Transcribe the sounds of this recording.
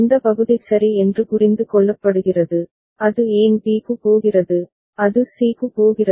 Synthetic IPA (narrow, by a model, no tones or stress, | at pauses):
ɪnd̪ɐpɐɣɯðɪsɐɾiɛndrɯkʊrɪnd̪ɯkɔɭːɐpːɐɽɯɣɪrɐðɯ | ɐðɯeːntiːɣɯpoːɣɪrɐðɯ | ɐðɯsiːkɯpoːɣɪrɐ